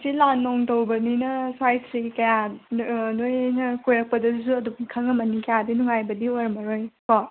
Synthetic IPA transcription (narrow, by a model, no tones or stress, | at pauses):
silanːɔŋtowbɐninɐswajsʰɾikɐja | nojnɐkojɾɐk̚pɐdɐsuɐdumkʰaŋɐmɐnikɐjadinuŋajbɐdioɾmɐɾojkɔ